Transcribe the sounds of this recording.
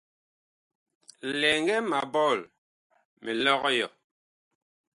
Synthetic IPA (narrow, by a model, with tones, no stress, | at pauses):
lɛ˨ŋ˦ɡɛ˦ma˨bɔ˦˨l | mɛ˨lɔ˦ɣɔ˦jɔ˨